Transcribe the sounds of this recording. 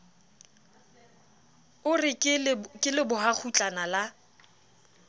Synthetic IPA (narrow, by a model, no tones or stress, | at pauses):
ʊrɪkʼɪkʼɪlɪbʊɦak͡xʰut͡ɬʼanala